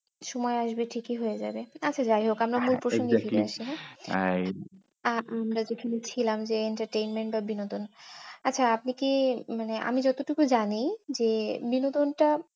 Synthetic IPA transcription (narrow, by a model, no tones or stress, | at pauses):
ʃɔmɔeaʃbeʈʰikiɦoed͡ʑa̰beaːt͡ɕʰad͡ʑajɦokamɾamulpɾoʃoŋɡefiɾeaʃiɦɛaj | aamɾad͡ʑekʰanet͡ɕʰilamd͡ʑeeɳʈaɾʈejnmeɳʈbabinot̪onatːɕʰaapnikimaneʔa̰mid͡ʑɔt̪oʈukud͡ʑanijd͡ʑebinot̪onʈa